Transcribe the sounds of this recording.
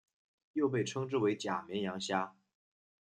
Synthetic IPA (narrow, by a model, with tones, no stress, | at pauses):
jo˥˧ʊp̬e˥˩ɪʈ͡ʂʰɤ˥ŋʈ͡ʂɻ̩˥˩we˧˥ɪt͡ɕja˨˩mjɛ˧˥njɑ˧˥ŋɕja˥